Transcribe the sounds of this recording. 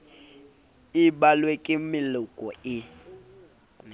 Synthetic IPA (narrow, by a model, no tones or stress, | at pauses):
iɓalwekʼɪmɪlʊkʼɔɪ